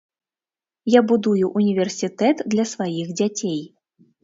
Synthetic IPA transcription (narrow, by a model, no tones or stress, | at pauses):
jabud̪ujuʔunʲivʲɛrsʲit̪ɛt̪d̪lʲɐsvajixd͡zʲat͡sʲej